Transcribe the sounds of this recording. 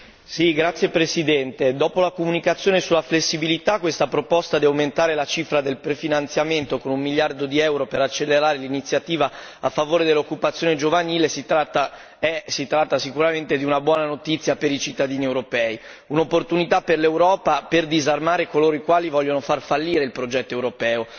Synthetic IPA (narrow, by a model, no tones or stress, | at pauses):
siɡɾat̪sːjepɾesid̪ɛnt̪ed̪ɔːpolakomunikat̪sːjoːnesulːaflesːibilit̪akwest̪apɾopɔst̪ad̪iawment̪aːɾelat͡ʃifɾad̪elpɾefinant̪sjament̪okonumːiljard̪od̪iɛwɾopeɾat͡ʃːelːeɾaːɾelinit̪sːjat̪iːvaafːavoːɾed̪elːokːupat̪sːjoːned͡ʒovaniːlesit̪ɾat̪ːa | ɛsit̪ɾat̪ːasikuɾament̪ed̪iunabwɔːnanot̪it̪sːjapeɾit͡ʃit̪ːad̪iːniewɾopɛːi | unopːort̪unit̪apːerlewɾɔːpaperd̪izarmaːɾekoloːɾoikwaːlivɔʎːonofarfalːiːɾeilpɾod͡ʒɛt̪ːoewɾopɛːo